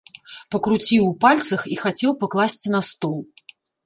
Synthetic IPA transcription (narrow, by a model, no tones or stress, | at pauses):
pɐkɾut͡sʲiwpalʲt̪sɐxixat͡sʲɛwpaklˠasʲt͡sʲinɐst̪ɔlˠ